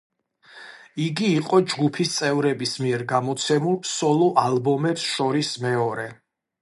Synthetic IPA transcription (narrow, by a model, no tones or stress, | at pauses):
iɡiːqʼɔd͡ʒɡupʰist̪sʼɛvɾɛbismiɛɾɡamɔt̪sʰɛmulˠsɔlˠɔʔalˠbɔmɛpsʃɔɾismɛɔɾɛ